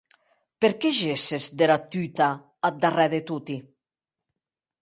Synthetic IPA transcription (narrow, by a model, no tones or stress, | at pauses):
peɾkɛʒesezd̪eɾat̪yt̪a | ad̪arɛðet̪ut̪i